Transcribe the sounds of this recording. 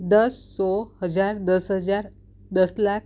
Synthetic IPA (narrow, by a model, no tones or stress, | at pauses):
d̪əsːɔhəd͡zaɾd̪əsɦəd͡zaɾ | d̪əslak